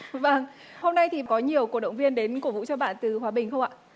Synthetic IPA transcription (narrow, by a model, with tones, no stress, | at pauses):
və˧n | ho˧mna˧jt̪ʰi˨˩kɔ˨˦ɲi˨˩əwk̚ɗə̰˧˨wŋ͡mvi˧ənɗe˨˦nku˧˩əvṵ˧˥t͡ɕɔ˧ɓa̰ː˧˨nt̪ɨ˨˩hwaː˨˦ɓï˨˩ŋ̟xə˧wŋ͡mʔa̰ː˧˨